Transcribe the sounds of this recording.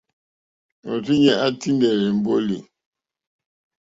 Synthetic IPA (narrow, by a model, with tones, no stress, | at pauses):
o˨ti˦ɲɛ˦a˦ti˦ndɛ˨ɾɛ˨m̩˨bo˦li˨